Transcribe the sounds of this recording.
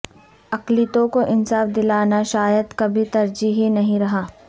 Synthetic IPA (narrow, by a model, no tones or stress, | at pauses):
ɐklit̪õkoʔɪnsaːfd̪ɪlaːnaʃaːjəd̪kɐbʱit̪ɐɾd͡ʒiɦinɐɦĩɾɐɦaː